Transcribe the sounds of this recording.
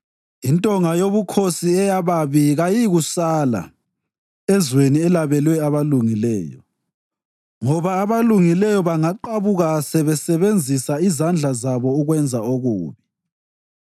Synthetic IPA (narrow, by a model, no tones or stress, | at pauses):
intʼɔŋajoβukʰosiɛjaβaβiɣajiɣusala̰ | ɛzweniɛlaβɛlwɛaβaluŋilɛ̰ːjɔ̰ | ŋɔβaːβaluŋilɛjɔβaŋaǃaβuɣasɛβɛsɛβend͡zʱisaizand͡ɮʱazaβɔuɣwɛnd͡zʱaoɣṵːβi